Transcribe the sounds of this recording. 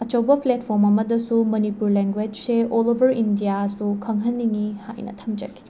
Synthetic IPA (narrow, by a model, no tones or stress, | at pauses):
ɐt͡ʃɐwbɐpʰlet̚pʰoɾmɐmɐdɐsumɐnipuɾleŋɡwed͡ʒseolobʱɐɾindijasukʰɐŋɦɐnːiŋiha̰jnɐ̰tʰɐmd͡ʒɐ̰ɡi̥